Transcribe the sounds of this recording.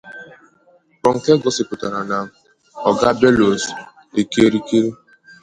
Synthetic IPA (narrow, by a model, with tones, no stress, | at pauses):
kɔ˨ŋ̩˨ke˦ɡɔ˦sɪ˨pʊ˨ta˨ɾa˨na˨ | ɔ˨ɡa˦be˦lo˨s | e˨ke˦ɾi˦ke˦ɾi˦